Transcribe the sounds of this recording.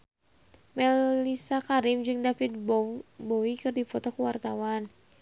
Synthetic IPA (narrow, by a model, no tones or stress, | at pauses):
mɛlisakaɾimd͡ʒɨŋdafit̪̚bbɔwikɨrdipɔt̪ɔkuwart̪awan